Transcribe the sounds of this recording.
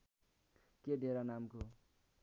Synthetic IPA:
keɖʱeɾanamko

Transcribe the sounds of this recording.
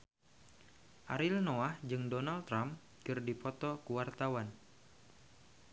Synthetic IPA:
ʔaɾilnoahd͡ʒɨŋdonalt̪ɾam | kɨrdipɔt̪ɔkuwart̪awan

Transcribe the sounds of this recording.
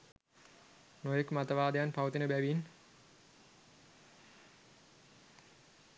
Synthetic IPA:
nojekmat̪əʋaːd̪əjanpawut̪inəbæʋin

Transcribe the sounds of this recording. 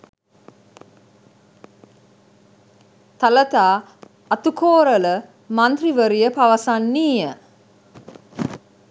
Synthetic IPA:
t̪alət̪aː | ɐt̪ukʰoːɾələ | mant̪riʋəɾijəpaʋəsanːiːjə

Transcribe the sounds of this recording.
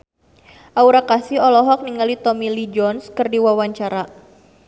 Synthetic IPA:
ʔauɾakasiɔlɔɦɔk̚niŋalit̪ɔmilid͡ʒɔnskɨrdiwawaɲt͡ʃaɾa

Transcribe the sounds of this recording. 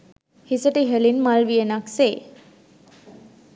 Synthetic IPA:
hisəʈeɦəlinmalʋienakse

